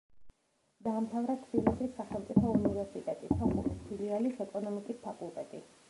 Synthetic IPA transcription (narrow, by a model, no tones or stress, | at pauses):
d̪aːmt̪ʰavɾat̪ʰbilisisːaχɛlˠt̪sʼipʰɔunivɛɾsit̪ʼɛt̪ʼisaχṵlispʰilialisɛkʼɔnɔmikʼispʰakʼulˠt̪ʼɛt̪ʼḭ